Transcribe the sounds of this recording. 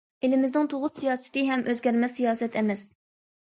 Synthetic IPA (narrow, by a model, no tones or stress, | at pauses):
elɪmɪznɪŋt̪ʰoʁʊt̪sijɑːsɪ̥t̪ɨɦɛmʔøzɡʲæɾmɛsijɑːsɛt̪ʰɛmɛs